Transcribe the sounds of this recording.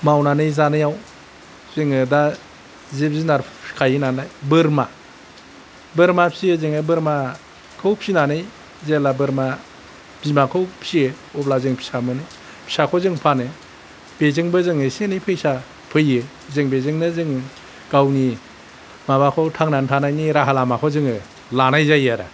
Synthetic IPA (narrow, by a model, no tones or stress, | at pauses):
mawnanɯjzanɯjaw | zɯŋɯda | zebzinaɾkʰajɯnanlajbɯɾma | bɯɾmapʰsiɯzɯŋabɯɾma | kʰɯwpʰsinanɯj | zelabɯɾma | b̥imakʰɯwpʰsiɯ | ɔp̚lazɯŋpʰi̥samɯnɯj | pʰi̥sakʰɔzɯŋpʰanɯ | b̥ezɯŋbɯzɯŋɯsenɯjpʰɯjsa | pʰɯjɯ | zɯŋbezɯŋnɯzɯŋ | ɡ̥awni | mabakʰowtʰaŋnantʰanajniɾaɦalamakʰɔzɯŋɯ | lanajzajaɾa̰